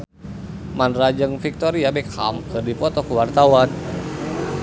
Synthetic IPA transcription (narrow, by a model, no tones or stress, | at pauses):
manrad͡ʒəŋfik̚t̪ɔɾiabɛkʰa̰mkɨrdipɔt̪ɔkəwart̪awan